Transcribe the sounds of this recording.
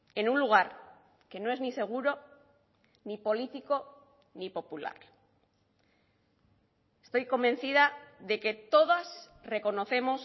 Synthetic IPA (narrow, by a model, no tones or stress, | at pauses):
e̞nunluɣ̞aɾ | ke̞no̞e̞znise̞ɣ̞uɾo̞ | nipo̞lit̪iko̞ | nipo̞pula̰ɾ | est̪o̞jko̞mbẽ̞nθið̞aðe̞ke̞t̪o̞ð̞as | re̞ko̞no̞θe̞mo̞s